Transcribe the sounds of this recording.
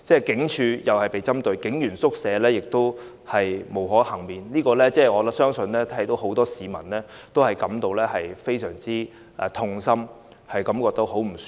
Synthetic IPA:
t͡sɛː˥˩kɪ˨˥ŋt͡ʃʰyː˨˧jɐ˨whɐ˨˩jpe˨jt͡sɐ˥mt̪ɵ˧ɥkɪ˨˥ŋjyː˨˩nsʊ˥k̚sɛː˨˧lɛː˥jɪ˨k̚t̪o˥w | hɐ˨jmo˨˩wɦɔː˨˥hɐ˨˩ŋmiː˨nliː˥kɔː˧lɛː˥t͡sɛː˥ɔː˨˧lɐ˨˥sœː˥ŋsɵ˧nlɛː˥t̪ʰɐ˥jt̪o˨˥wɦo˨˥wt̪ɔː˥siː˨mɐ˨˩nlɛː˥t̪o˥whɐ˨jkɐ˨˥mt̪o˨wlɛː˥hɐ˨jfe˥jsœː˨˩ŋt͡siː˥ | ɛ˨˧t̪ʰʊ˧ŋsɐ˥m | hɐ˨jkɐ˨˥mkɔː˧k̚t̪ɐ˥ho˨˥wm̩˨˩s

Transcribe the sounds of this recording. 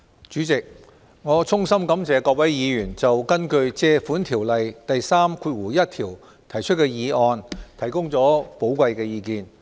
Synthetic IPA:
t͡ʃyː˨˥t͡sɪ˨k̚ | ŋɔː˨˧t͡sʰʊ˥ŋsɐ˥mkɐ˨˥mt͡sɛː˨˧kɔː˧k̚wɐ˨˥jjiː˨˧jyː˨˩nt͡sɐ˨wkɐ˥nkɵ˧ɥt͡sɛː˧fuː˨˥nt̪ʰiː˨˩wlɐ˨jt̪ɐ˨jsaː˥mkʰuː˧t̚wuː˨˩jɐ˥t̚t̪ʰiː˨˩w | t̪ʰɐ˨˩jt͡ʃʰɵ˥t̚kɛː˧jiː˨˧ɔː˧nt̪ʰɐ˨˩jkʊ˥ŋt͡sɔː˨˥po˨˥wkʷɐ˧jkɛː˧jiː˧kiː˧n

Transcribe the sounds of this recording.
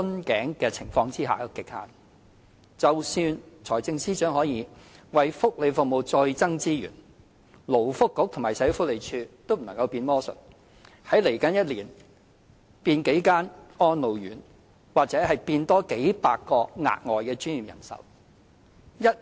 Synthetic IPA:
ɵ˥nkɛː˨˥ŋkɛː˧t͡sʰɪ˨˩ŋfɔː˧ŋt͡siː˥ɦa̰ː˨˧kɪ˨k̚ha̰ː˨˩ | t͡sɐ˨˩wsyː˧nt͡sʰɔː˨˩jt͡sɪ˧ŋsiː˥t͡ʃœː˨˥ŋhɔː˨˥jiː˨˥wɐ˨jfʊ˥k̚le˨˧jfʊ˨k̚mo˨wt͡sɔː˧jt͡sɐ˥ŋt͡siː˥jy̰ː˨˩n | lo˨˩wfʊ˥kːʊ˨˥k̚t̪ʰmaː˨˩sɐ˨˥jo˧˥fʊ˥k̚le˨˧jt͡ʃʰyː˧t̪o˥wm̩˨˩nɐ˨˩ŋkɐ˧wpiː˧nmɔː˥sɵ̰˨t̚ | hɐ˨˥jle˨˩jkɐ˨˥njɐ˥t̚liː˨˩n | piː˧nke˨˥jkaː˥nɔː˥nlo˨˩wjyː˨˩n | waː˨k̚t͡sɛː˨˥hɐ˨jpiː˧nt̪ɔː˥ke˨˥jpaː˧kːɔː˧ŋa̰ː˧t̚ŋɔː˨jkɛː˧t͡ʃyː˥njiː˨mjɐ̰˨˩nsɐ̰˨˩w | jɐ˥t̚

